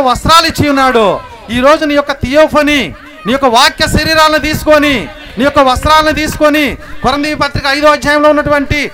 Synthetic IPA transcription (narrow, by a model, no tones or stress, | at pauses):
ɐʋɐsɾaːlit͡ʃːijunːaːɽu | iːɾo̞ːd͡ʒuniːjɔkːɐt̪ijoːpʰɐni | niːjɔkːɐʋaːkjɐʃɐɾiːɾaːlɐnit̪̬iːsu̥koni | niːjɔkːɐʋɐst̪ɾaːlɐnit̪̬iːsu̥konikɔɾɐnd̪iːʋipɐt̪ɾikɐɐjd̪oɐd͡ʒjaːjɐmlo̞ːunːɐʈuʋɐɳʈi